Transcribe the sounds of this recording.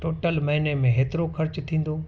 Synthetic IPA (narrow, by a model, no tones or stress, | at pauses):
ʈoːʈəlmɐɦinemẽɦeːt̪ɪɾokʰɐɾt͡ɕt̪ʰĩːn̆d̪o